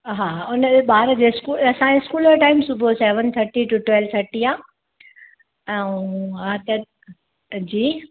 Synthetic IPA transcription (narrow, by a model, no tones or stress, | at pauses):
ɦaːʊnəɓaːɾəd͡ʑeːɪskuːlɐsãd͡ʑeɪskuːləɾʈaːɪmsʊbʱosɛːʋənt̪ʰɐɾʈiʈuʈwɛlʋt̪ʰəɾʈiaː | ɛ̃ũat̪ɐ | d͡ʑiː